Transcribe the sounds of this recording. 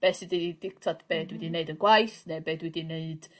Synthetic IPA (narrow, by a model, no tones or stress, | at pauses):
b̥ɛːsidid̥ɪk̚tʰadb̥eːdwɛdineɨdənɡwajθnebeːdwɛdineɨd̥